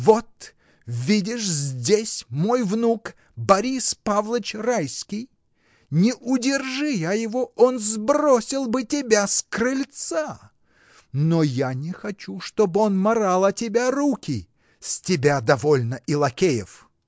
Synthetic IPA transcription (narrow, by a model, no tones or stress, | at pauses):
vot̪ | vʲidʲɪʂzʲdʲesʲmojvnuk | bɐɾʲispavlˠət͡ɕrajskʲij | nʲɪʔʊdʲɪrʐɨjajɪvoonzbɾosʲɪlˠbɨtʲɪbʲaskrɨlʲt̪sa | nojanʲɪxɐt͡ɕuʂt̪obɨonmɐɾalˠɐtʲɪbʲaɾukʲɪ | sʲtʲɪbʲad̪ɐvolʲnəʔɪlˠɐkʲejɪf